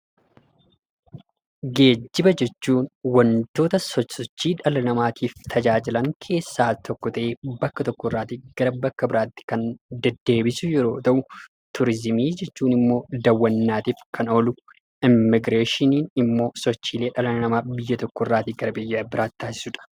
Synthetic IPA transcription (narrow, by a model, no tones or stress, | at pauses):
ɡe̞ːd͡ʒːɪbɐd͡ʒɛt͡ʃːuːnwɐnt̪o̞ːt̪ɐsɔsɔt͡ʃːiːᶑɐlɐnɐmaːt̪ʰiːft̪ʰɐd͡ʒaːd͡ʒɪlɐŋkʰe̞ːsːaːt̪ʰɔkːɔt̪ɐʔe̞ːbɐkːɐt̪ɔkːɔɪrːaːt̪ɪɡ̥ɐɾɐbɐkːɐbɪɾaːt̪ːɪ̥kɐnd̪ɛd̪ːe̞ːbɪsʊjɛɾo̞ːt̪ɐʔʊ | t̪ʰʊɾɪzɪmiːd͡ʒɛt͡ʃːuːnɪmːo̞ːd̪ɐwːɐnːaːt̪iːfkʰɐnolʊ | ʔɪmːɪɡɾeːʃɪniːnɪmːo̞ːsɔt͡ʃːiːleːᶑɐlɐnɐnɐmaːbɪjːɐt̪ɔkːɔɪrːaːt̪iɡɐɾɐbɛjːaːbɪɾaːt̪ːaːsɪ̥sʊᶑɐ̥